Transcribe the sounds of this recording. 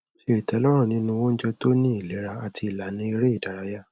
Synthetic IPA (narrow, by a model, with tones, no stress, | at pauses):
ʃi˦e˨tɛ˨˦lɔ˦ɾ̃ũ˦˨nĩ˨˦nũ˧wõ˦n̩˦d͡ʒɛ˧to˦nĩ˦i˦˨le˨˦ɾa˧a˨ti˧i˨la˨nĩ˨˦i˧ɾe˦i˦˨da˨ɾa˨˧ja˦